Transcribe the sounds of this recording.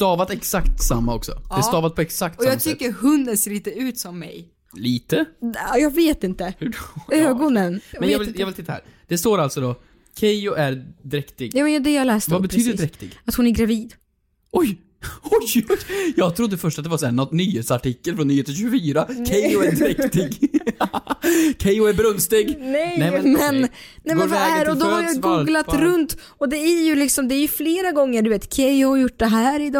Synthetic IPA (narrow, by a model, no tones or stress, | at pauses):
st̪ɑːvat̪ɛksakt̪samːaɔksɔ̰d̪ɛst̪ɑːvat̪̚pʰɔɛksakt̪ɔjɑːɡmt̪ʰʏkːəɾhɵnd̪ənseːɾliːt̪əʉ̟ːt̪sɔmːɛ̰j | liːt̪əjɑːɡveːt̪ɪnt̪əhʉøːɡɔnənmɛnjɑvɪljɑːɡvɪlt̪ɪt̪ːahæ̰ːɾd̪̥ɛst̪oːɾalsɔd̪ɔ | kʰɛjʊʔæɾd̪ɾɛkt̪ɪɡjɑːmɛnjd̪ɛjɑːlɛːst̪vabɛt̪ʰɾyːd̪əɾɛd̪ɾɛkt̪ɪɡat̪hʊnæɾɡɾaviːd̪ | ʔɔj | ɔjjɑːɡt̪ʰɾʊd̪ːəfœʂʈat̪̚d̪ɛvasɛnːɔt̪nyːheːt̪saʈɪkːəlfɾɔnːyːheːt̪ənɕ̬ʉɡəfyːɾakʰɛjʊɛd̪ɾɛkt̪ɪɡ | kʰɛjʊæɾbɾɵnst̪ɪɡnɛjnɛmɛn | nɛjmɛnvahæːɾɔd̪ɔhaɾɾjɑɡuːɡlat̪ɾɵnt̪ | ɔd̪ɛæɾjɵlɪksɔmd̪ɛːɾjɵfleːɾaɡɔŋːəɾɖɵveːt̪kʰɛjʊhaɾjʊʈːd̪ɛɦæːɾɪd̪ɑ